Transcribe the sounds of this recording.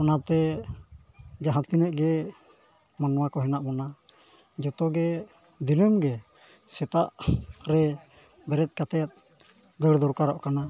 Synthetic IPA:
ɔnat̪ɛ | d͡ʒaɦãt̪kinɛʔɡɛ | manɔwakɔɦɛnaʔmɔna | d͡ʒɔt̪ɔɡɛ | d̪inəmɡɛ | sɛt̪aʔɾɛ | bɛɾɛt̪̚ˀkat̪ɛt̪̚ | d̪əɽd̪ɔɾkaɾɔʔkana

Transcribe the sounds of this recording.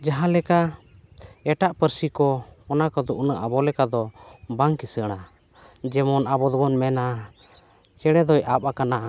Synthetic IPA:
d͡ʒaɦãlɛka | ɛʈaʔpəɾsikɔːnakɔd̪uʔnəʔabɔlɛkad̪ɔbaŋkisəɽ̃a | d͡ʒɛmɔnabɔd̪ɔbɔnmɛna | t͡ʃɛɽ̃ɛd̪ɔjapakanaʔa

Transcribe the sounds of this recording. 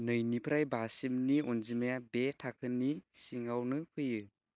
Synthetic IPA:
nɯjnipʰɾajbasimniɔnzimajabetʰakʰɯnisiŋawnɯpʰɯjɯ

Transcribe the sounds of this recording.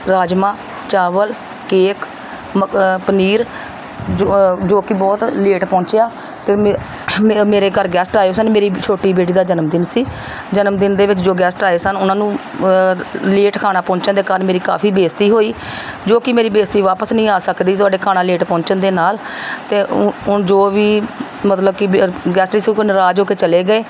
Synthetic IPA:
ɾaːd͡ʒmãː | t͡ʃaːʋəl | keːk | mpəniːɾ | d͡ʒod͡ʒoːkɪbɔːt̪leːʈpɔ̃ːɲt͡ʃejaː | t̪eː | meːɾeːkəɾɡɛːsʈaːesənmeːɾiːt͡ʃʰoːʈiːbeːʈiːd̪aːd͡ʒənəmd̪ɪnsiː | d͡ʒənəmd̪ɪnd̪eːʋɪt͡ʃd͡ʒoːɡɛːsʈaːeːsənʊnãːnũː | leːʈkʰaːnaːpɔ̃ːt͡ʃənd̪eːkaːɾənmeːɾiːka̰ːpʰiːbeːst̪iːɦoːiːd͡ʒoːkɪmeːɾiːbeːst̪iːʋaːpəsnəĩːaːsəkd̪iːt̪ʊaːɖeːkʰaːnãːleːʈpɔ̃ːɲt͡ʃənd̪eːnaːl | t̪eːʔʊnd͡ʒoːʋiː | mət̪ləb̚kɪɡɛːsʈiːsukənɾaːd͡ʒɦoːkeːt͡ʃəleːɡəeː

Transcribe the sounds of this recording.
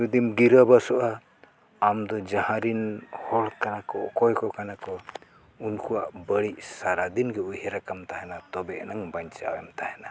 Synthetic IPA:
ud̪imɡiɾabasɔʔaː | md̪ɔd͡ʒahãɾinhɔlkanakɔkɔjkɔkanakɔ | unkuwaʔbəɽiʔsaɾad̪inɡɛujhɛɾakamt̪aɦɛnat̪ɔbɛʔnaŋbaɲt͡ʃa̰wɛmt̪ahɛna

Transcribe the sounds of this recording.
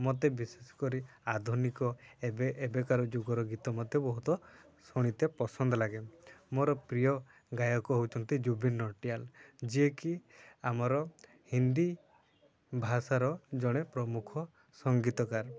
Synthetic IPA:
mot̪̬ebisesɔ̥kɔɾiad̪ʱunikɔebeebekaɾɔd͡ʒuɡɔɾɔɡit̪ɔmɔt̪ːebɔɦut̪ɔ | suɽ̃it̪epɔsɔnd̪ɔlaɡemoɾɔpɾijɔ | ɡajɔkɔɦowt͡ʃʰɔnt̪id͡ʒubinːɔʈiald͡ʒiekiamɔɾɔ | hind̪i | bʱasaɾɔd͡ʒɔɽ̃epɾɔmukʰɔ | sɔŋɡit̪ɔkaɾ

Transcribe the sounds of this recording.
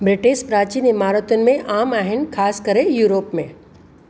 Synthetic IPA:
bɾɪʈɪʃpɾaːt͡ɕiːnɪmaːɾət̪ʊnɪ̆mẽʔaːmaːɦɪnɪ̆kʰaːskɐɾejuːɾoːpmẽ

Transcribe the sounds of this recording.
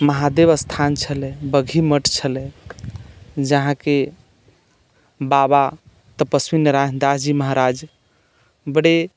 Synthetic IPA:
məɦad̪eβəst̪ʰant͡ʃʰəlɛ̃bəɡʱiməʈt͡ʃʰəlẽ | d͡ʒəɦãke | baba | t̪əpəsminəɾaɦnd̪aɦd͡ʒiməɦɾad͡ʒ | bəɽe

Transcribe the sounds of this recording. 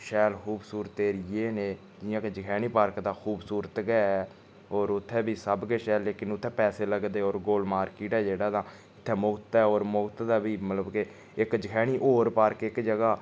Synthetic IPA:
ʃɛːlxuːbsuːɾt̪ːeːɾɪjeːneː | d͡ʒɪjãːked͡ʒəkʰɛːɽ̃iːpəɾkd̪aːxʰuːbsuːɾət̪ɡɛɛː | oːɾʊt̪ʰːɛːbiːsəbkeːʃɛːlːeːkɪnʊt̪ʰːɛːpɛːseːləɡd̪eːoːɾɡoːlmaːɾkiːʈɛːd͡ʒeːɽaːd̪ãː | ɪt̪ʰːɛːmʊɡt̪ːɛːoːɾmʊɡt̪d̪aːbiːmət̪ləbke | ɪkd͡ʒəkʰɛːɽ̃iːʔoːɾpaɾkeɪkd͡ʒəɡaː

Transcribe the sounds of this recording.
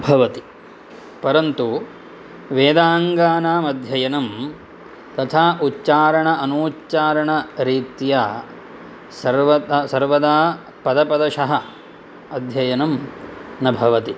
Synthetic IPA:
bʱɐʋɐt̪i | pɐɾɐnt̪u | ʋeːd̪aːŋɡaːnaːmɐd̪ʱjɐjɐnɐm | t̪ɐt̪ʰaːutːt͡ʃaːɾɐɳɐʔɐnuːtːt͡ʃaːɾɐɳɐɾiːt̪jaː | sɐɾʋɐt̪asɐɾʋɐd̪aː | pɐd̪ɐpɐd̪ɐʃɐɦɐ | ɐd̪ʱjɐjɐnɐmnɐbʱɐʋɐt̪i

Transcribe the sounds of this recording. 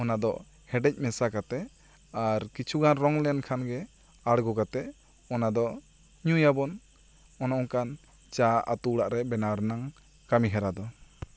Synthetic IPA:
ɔnad̪ɔʔ | hɛɖɛc̚ˀmɛsakat̪ɛ | aɾkit͡ʃʰuɡanɾɔŋlɛnkʰanɡɛ | aɽɡɔkat̪ɛʔ | ɔnad̪ɔ | ɲujabɔn | ɔnɔʔɔŋkan | t͡ʃaʔa̰t̪uɽaʔɾɛbɛnaɾnaŋ | kamiɦɛɾad̪ɔ

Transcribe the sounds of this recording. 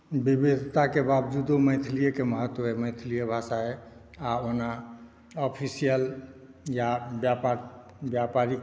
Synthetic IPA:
bibid̪ʱt̪akebabd͡ʒud̪omə̃jt̪ʰlijəkeməɦət̪ːwoemə̃ɪt̪ʰlijəbʱasae | aona | ɔpʰisijəl | jabjapaɾ | bjapaɾi

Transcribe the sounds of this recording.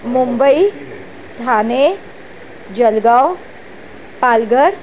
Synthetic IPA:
mumbəi | d̪ʱane | d͡ʒəlɡaw | palɡəɾ

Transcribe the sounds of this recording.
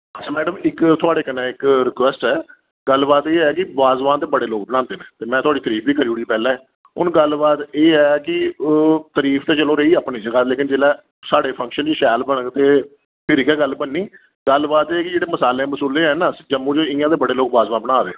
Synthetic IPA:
ətt͡ʃʰaːmɛːɖəmɪkt̪ʰʊaːɽeːkənɛ̃ːɪkɾɪkwɛːsʈɛː | ɡəlːbaːt̪eːɛːkɪbaːzʋãːt̪eːbəɽeːloːk̚bəɽ̃ãːnd̪eːnɛ̃ːt̪eːmɛ̃ːt̪ʰʊaːɖiːt̪əɾiːpʰbiːkəɾiːuɽiːpɛːlɛ̃ː | ʊnɡəlbaːt̪eːɛːkɪ | t̪əɾiːpʰt̪eːt͡ʃəlõːɾeiːəːpɳiːd͡ʒəɡaːt̪leːkɪnd͡ʒeːlɛː | saːɽeːpʰə̃ŋkʃənd͡ʒiːʃɛːlbəɳt̪eː | pʰɪɾɪkɛːɡəlbənːiː | ɡəlbaːt̪eːkɪd͡ʒeːɽeːməsaːleːməsuːleːɛːnaːd͡ʒəmːũːd͡ʒoɪ̃ãːt̪eːbəɽeːloːk̚baːzʋãːbəɽñãːɾḛːoː

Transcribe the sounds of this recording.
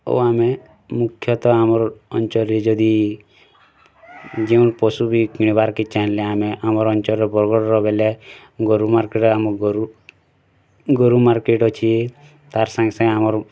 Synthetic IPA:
o̰ame | mukʰjɔt̪ɔamɔɾɔnt͡ʃɔɾid͡ʒɔd̪i | d͡ʒeunpɔsubʱikiɽ̃ibaɾkit͡ʃanleameʔamɔɾɔnt͡ʃɔɾɔbɔɾɡɔɽɾɔbele | ɡɔɾumaɾkeʈɔamɔɡɾu | ɡɔɾumaɾkeʈɔt͡ʃʰi | t̪aɾsãŋɡesãŋɡamɔɾ

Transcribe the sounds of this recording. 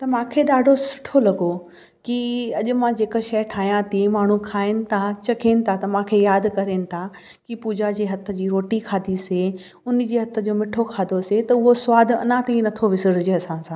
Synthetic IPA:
t̪ɐmãːkʰeːɗaːɖʱosʊ̥ʈʰolɐɡo | kiɐʄʊ̆mãd͡ʑeːkəʃɐjʈʰaːɦijãt̪ʰimaːɳ̤ukʰaːɪnɪ̆t̪ʰat͡ɕɐkʰeːnɪ̆t̪ʰat̪ɐmãːkʰejaːd̪kɐɾenɪ̆t̪ʰa | kipuːd͡ʑad͡ʑiːɦɐt̪ʰə̆d͡ʑiːɾoːʈikʰaːd̪ʱise | ʊnd͡ʑiːɦɐt̪ʰə̆d͡ʑoːmɪʈʰokʰaːd̪ʱoset̪ɐʊɦosʊʋaːd̪ʱɐ̰nãt̪ɐ̃ĩnɐt̪ʰoʋɪsəɾd͡ʑd͡ʑeːɐsãːsãː

